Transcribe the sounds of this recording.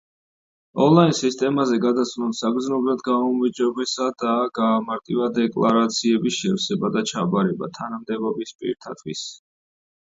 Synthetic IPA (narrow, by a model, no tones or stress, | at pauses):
ɔnlˠainsist̪ʼɛmazɛɡad̪at̪sʰnɔlsaɡɾd̪znɔbɾad̪ɡaumvid͡ʒɔbɛsad̪aɡaːmaɾt̪ʼivad̪ɛkʼlˠaɾat̪sʰiɛbisʃɛɾsɛbad̪at͡ʃʰabaɾɛba̰t̪ʰanamd̪ɛbɔbispʼḭɾt̪ʰa̰t̪ʰwḭs